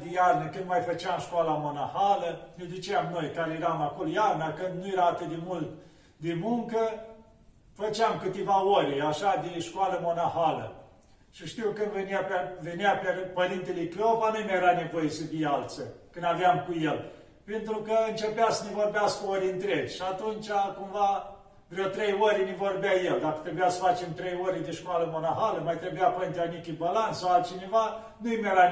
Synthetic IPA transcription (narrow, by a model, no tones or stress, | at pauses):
d̪ijarnəkɨnd̪majfət͡ʃeamʃkualamo̞nahaləned̪ut͡ʃeamno̞jd̪aɾjeɾamakolojarnakɨnd̪nujeɾaːt̪ɨt̪̚d̪emult̪ | d̪emuŋkə | fət͡ʃeamkɨt̪evaoɾʲaʃad̪eʃkualəmo̞nahalə̰ | ʃiʃt̪iwkɨnd̪veniapveneapepəɾint̪elejklovanujmajeɾanevo̞jesəvialt̪səkɨnd̪aveamkujel | pent̪ɾukəɨnt͡ʃepeasənevo̞rbeaskəoɾʲɨnt̪ɾeɡʲʃiat̪unt͡ʃʲakumva | vɾewt̪ɾejwəɾʲnevorbʲajeld̪akə̥t̪ɾebujasə̥fat͡ʃemt̪ɾejoɾʲed̪eʃkwaləmo̞naɦaləmajt̪ɾebujapəɾint̪eanikʲibalant̪sawalt͡ʃineva | nujimjeɾa